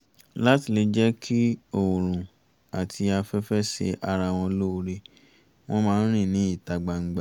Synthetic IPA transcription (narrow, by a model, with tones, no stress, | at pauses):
la˦ti˨le˧d͡ʒɛ˦kʰi˦o˨ɾ̃ũ˨ | a˨tʰi˧a˧fɛ˦fɛ˦ʃḛ˧ʔa˧ɾa˧w̃ɔ̃˧lo˦o˧ɾe˧ | w̃ɔ̃˦mãː˦ɾ̃ĩ˦˨nĩ˨˦i˦˨ta˨ɡ͡ba˧ŋ̩˦ɡ͡ba˦˨